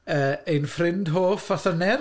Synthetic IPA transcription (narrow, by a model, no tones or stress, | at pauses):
əːejnfrɪndɦoːfaθənɛr